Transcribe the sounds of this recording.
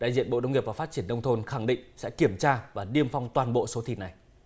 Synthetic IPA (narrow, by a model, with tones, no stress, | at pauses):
ɗa̰ː˧˨jzḭ˧˨ənɓo̰˧˨ɗə˧wŋ͡mŋi˨˩əp̚vːfa˦˥t̚t͡ɕi˧˩ənːɗə˧wŋ͡mt̪ʰo˧nxa˧˩ŋɗḭ˧˨ŋ̟sɛ̰˧˥ki˧˩əmt͡ɕaː˧vaː˨˩ɗi˧əmfa˧wŋ͡mt̪waː˨˩nɓo̰˧˨so˨˦t̪ʰi˨˩na˨˩j